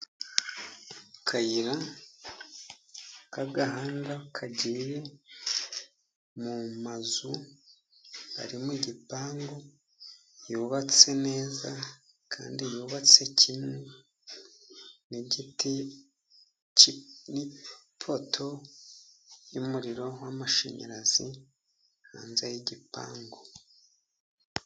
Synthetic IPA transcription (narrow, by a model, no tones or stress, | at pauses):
kʰajiɾa | kaɡaɦaːŋɡakʰaɟiɾe̞ | mumazu | a̰ɾimwiɟipaːŋɡo | joːβat͡se̞ne̞ːza | kʰa̰ːndijuβat͡se̞cʰimwe | nit | nipʰo̞tʰo̞ | jumuɾiɾo̞wamaʃḛɲa̰ɾaz̥i | ha̰ːnzejiɟipa̰ːŋɡo